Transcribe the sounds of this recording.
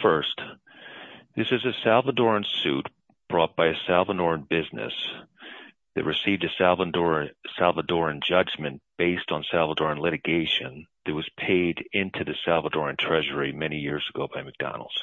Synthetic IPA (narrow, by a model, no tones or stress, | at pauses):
fɜ˞s | ðɪsɨzɨsælˠvədɔɹɨ̃nsʉ̰t̚ | b̥ɹɔt̚b̥aɪɨsælˠvədɔɹɨ̃nbɪznɨ̰s | ðɨ̰t̚ɹʔɨsivdɨsælˠvəɹsælˠvədɔɹɨ̃nd͡ʒʌd͡ʒmɨ̃nb̥eɪstn̩sælˠvədɔɹɨ̃nlɪɾɨɡeɪʃɨ̃nðɨt̚wʌz̥pʰeɪɾɪ̃ntʰʉðɨsælˠvədɔɹɨ̃ntʰɹ̥ɛʒə˞imɛñijɪɹzɨɡoʊbaɪmɨk̚d̥ɑ̰nl̩ˠd̥